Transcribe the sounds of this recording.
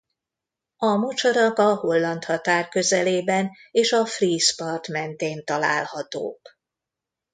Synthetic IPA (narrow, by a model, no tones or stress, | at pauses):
ɒmot͡ʃoɾɒkɒho̞lːɒnt̪hɒt̪aːrkø̞zɛleːbɛneːʃɒfriːʃpɒrt̪mɛnt̪eːnt̪ɒla̰ːlhɒt̪o̰ːk